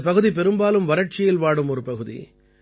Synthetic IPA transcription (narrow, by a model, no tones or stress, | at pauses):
pɐɣɯðipɛɾɯmbaːlɯmʋɐɾɐʈ̚t͡ʃɪjɪlʋaːɽɯmɔɾɯpɐɣɯðḭ